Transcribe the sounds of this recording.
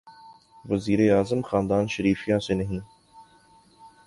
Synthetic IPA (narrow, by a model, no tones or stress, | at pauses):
ʋɐziːɾeaːzəmxãːnd̪aːnʃɐɾiːfijãːseːnɐɦĩː